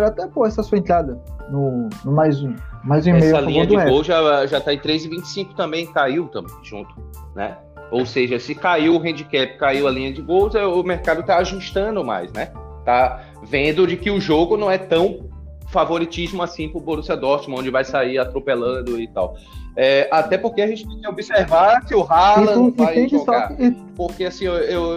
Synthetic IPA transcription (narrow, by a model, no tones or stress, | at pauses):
ɾat̪ɛpõɛsɐsuẽnt̪ɾad̪ɐnʊnʊmajzũmajzũiɛmejʊɐlĩɲ̃ɐ̃d̪ɪɛowʒaʒat̪aẽt̪ɾezɪvĩt͡ʃɪ̥sĩkʊ̥t̪ɐ̃mbẽj̃kaiwt̪ɐ̃ʒṵ̃nt̪ʊ̥nɛ̰ | owseʒɐsɪkaiwʊɦẽd͡ʒɪkɛpɪ̥kaiwɐlĩɲɐd͡ʒɪɡowzɛʊmeɾkad̪ʊt̪aaʒuʃt̪ɐ̃nd̪ʊma̰jsnɛt̪a | vẽnd̪ʊd͡ʒɪkɪʊʒoɡʊnɐ̃w̃ɛt̪ɐ̃w̃ | favoɾit͡ʃizmʊasĩpɾʊbonusɐd̪ɔst͡ʃimɐ̃õd͡ʒɪvajsaiɾat̪ɾopelɐ̃d̪ʊɪt̪a̰w | ɛat̪ɛpoɾkeaʒẽt͡ʃɪp̪ɛ̃obiseɾvaɾsɪʊɦalɐ̃ajẽʒosa | poɾkeasĩew